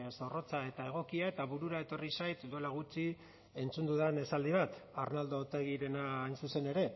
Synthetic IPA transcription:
so̞ro̞t͡sae̞t̪ae̞ɣ̞o̞kiae̞t̪aβuɾuɾae̞t̪o̞risajt̪d̪ue̞laɣ̞ut͡ʃi | e̞nt͡sund̪uðene̞sald̪iβ̞at̪arnald̪o̞ːt̪eɣ̞iɾe̞naːjnsuse̞ne̞ɾe̞

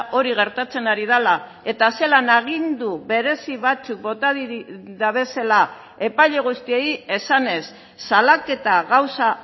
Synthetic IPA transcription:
ʔo̞ɾiɣ̞e̞ɾt̪at͡se̞naɾið̞ala | e̞t̪ase̞lanaɣ̞ind̪uβe̞ɾe̞siβat͡suk̚bo̞t̪aðiðaβe̞sela | e̞pajʎe̞ɣ̞ust̪ieje̞sane̞sː | alake̞t̪aɣawsa

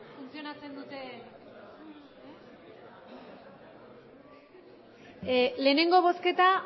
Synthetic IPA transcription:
funt͡sio̞nat͡se̞nd̪ut̪e̞ | le̞ne̞ŋɡo̞β̞o̞ske̞t̪a

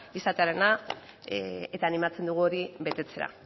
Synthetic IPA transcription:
isat̪e̞aɾe̞na | e̞t̪aːnimat͡se̞nd̪uɣ̞uo̞ɾiβe̞t̪e̞t͡se̞ɾa̰

